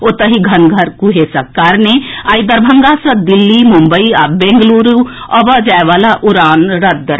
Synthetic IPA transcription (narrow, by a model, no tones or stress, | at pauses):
ot̪əɦiɡʱɐnɡʱɐɾkuɦesɐkːaɾneaːid̪ɐɾbʱɐŋɡasɐd̪ilːimumbəia̰ːbẽːŋɡluːɾuɐbəd͡ʒaːeʋaːlaʔuɾaːnɾɐd̪̚d̪əɾ